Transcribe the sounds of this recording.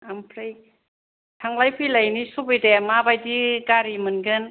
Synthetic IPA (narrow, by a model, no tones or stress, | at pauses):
ampʰɾej | tʰaŋlajpʰɯjlajnisubɯjdemabajdikaɾimɯnɡɯn